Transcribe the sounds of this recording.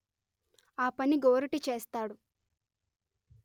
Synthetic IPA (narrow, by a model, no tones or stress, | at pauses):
aːpɐniɡoːɾɐʈit͡ʃeːst̪aːɽu